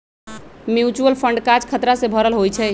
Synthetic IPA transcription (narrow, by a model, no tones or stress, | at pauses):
mjut͡ʃuəlpʰəɳɖkad͡ʒkʰət̪ɾasẽbʱəɾəlɦojt͡ʃʰɛ